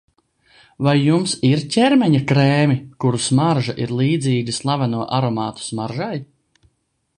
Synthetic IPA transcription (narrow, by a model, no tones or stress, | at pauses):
vajːumsiɾcʲɛɾmɛɲakɾeːmʲikuɾusmaɾʒaʔiɾlˠiːd̪ziːɡʲislˠavanuɔʔaɾɔmaːt̪u̥smaɾʒaj